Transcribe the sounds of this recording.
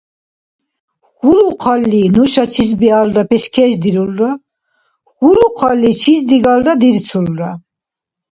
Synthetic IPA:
χuluqʰalːinuʃat͡ʃʰis̬bialɾapʰɛʃkʰɛʒd̪iɾulɾa | χuluqʰalːit͡ʃʰisd̪iɡaldad̪iɾt͡sʰulɾa

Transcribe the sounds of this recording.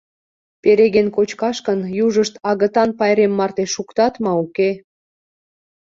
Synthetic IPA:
peɾeɣenkot͡ɕkɑʃkənjuʒəʃt̪ɑɣət̪ɑnpɑjɾemːɑrt̪eʃukt̪ɑt̪mɑuke

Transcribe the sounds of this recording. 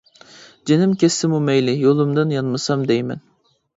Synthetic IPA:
d͡ʒenɪmkʲɛsɪmumɛjlɪjolˠumd̪ɨnjɑnmɑsɑmd̪ɛjmɛ̰n

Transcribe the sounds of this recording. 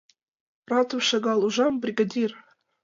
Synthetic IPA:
prɑt̪ofʃɑɡɑlˠuʒɑmbrʲiɡɑd̪ʲir

